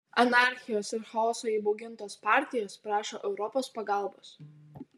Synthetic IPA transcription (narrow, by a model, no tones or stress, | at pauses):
ɐnɑˑɾʲxʲɪjoːsɪɾxɐɔːsoːiːˑbɔʊɡʲɪnt̪oːspɑˑɾʲt̪ʲɪjoːspɾɑːʃoːʔɛʊɾɔpoːspɐɡɑˑlˠboːs